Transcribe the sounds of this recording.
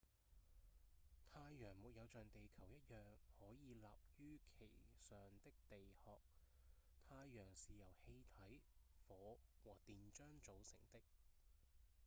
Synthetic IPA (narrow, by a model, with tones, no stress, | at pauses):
t̪ʰaː˧jːœː˨˩ŋmu˨t̚jɐ˨˧wt͡ʃœː˨ŋt̪e˨jkʰɐ˨˩wjɐ˥t̚jœː˨ŋhɔː˨˥jiː˨˧laː˨p̚jyː˥kʰe˨˩jsœː˨ŋt̪ɪ˥k̚t̪e˨jhɔː˨k̚ | t̪ʰaː˧jːœː˨˩ŋsiː˨jɐ˨˩whe˧jt̪ʰɐ˨˥jfɔː˨˧˥wɔː˨˩t̪iː˨nt͡ʃœː˥ŋt͡so˨˧wsɪ̰˨˩ŋt̪ɪ˥k̚